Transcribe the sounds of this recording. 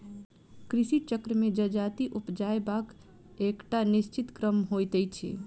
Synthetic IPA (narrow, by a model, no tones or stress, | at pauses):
kɾisit͡ʃəkɾəmed͡ʒəd͡ʒat̪iʔupd͡ʒaebak | ekʈanist͡ʃit̪kɾəmɦojt̪ɛjt͡ʃʰḭ